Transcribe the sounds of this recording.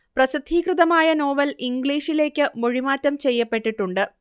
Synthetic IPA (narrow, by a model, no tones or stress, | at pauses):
prɐsid̪ʱiːkrɨðɐmaːjɐno̞ːʋɐliŋɡɭiːʂile̞ːkʲːɨmoɻimaːtːɐmt͡ɕejːɐpːe̞ʈːiʈːuɳɖɨ